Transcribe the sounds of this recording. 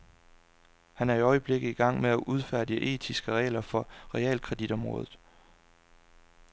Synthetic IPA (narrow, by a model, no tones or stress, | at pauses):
hænæɐiɒ̽ɪəb̥le̝ɡ̥ð̩ˠiɡ̥ɑ̈ŋ̰meæʔuð̞ˠfæɐ̰d̥jəʔe̝̰ːd̥ʰisɡ̥əʁɛ̰ːlɐfɒ̽ʁɛɛ̰ːlkʰʁɛd̥id̥ɒ̽mʁɔ̽ːðˠð̩ˠ